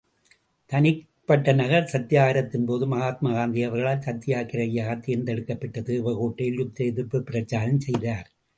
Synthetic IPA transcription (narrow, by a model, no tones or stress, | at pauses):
t̪ɐnɪ | pːɐʈːɐnɐɣɐɾsɐt̪ːɪjaːɣɐɾɐt̪ːɪnpoːðɯmɐɣaːt̪̚maɣaːnd̪ɪɐʋɐɾɣɐɭaːlsɐt̪ːɪjaːkɪɾɐɪjaːɣɐt̪ːɪnd̪ɛɽɯkːɐpːɐʈːɐt̪ɯːʋɐɣoːʈːɐɪlɯp̚t̪ɐɪðɯɾpːɯpːɪɾɐt͡ʃːaːɾɐmsɛjðaːɾ